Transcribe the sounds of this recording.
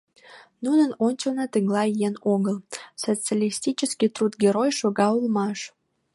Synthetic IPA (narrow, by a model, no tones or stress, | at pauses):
nunənonʲt͡ɕəlnɑt̪əŋlɑjenoɣəlˠsot͡sjalʲist̪it͡ɕəskʲit̪rut̪ɡʲeɾojʃoɣɑulmɑʃ